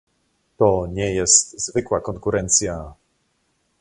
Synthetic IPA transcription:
t̪ɔɲɛjɛst̪zvɘkwakɔŋkuɾɛnt̪sja

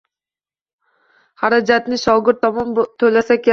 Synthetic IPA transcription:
haɾad͡ʒat̪nɪʃɒɡʲɪɾt̪ʰːɒmɒnt̪ʰɵlasakʲa

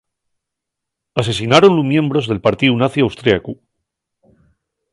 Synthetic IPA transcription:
as̬e̞s̬inaɾo̞nlumjẽ̞mbɾo̞zðe̞lpaɾt̪iunaθiawst̪ɾjaku

